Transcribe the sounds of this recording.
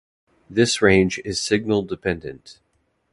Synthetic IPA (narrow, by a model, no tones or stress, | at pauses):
ðɪsɹẽɪ̃nd͡ʒɪz̥sɪɡ̚nl̩ˠdɨpʰɛ̃ndɨ̰̃nt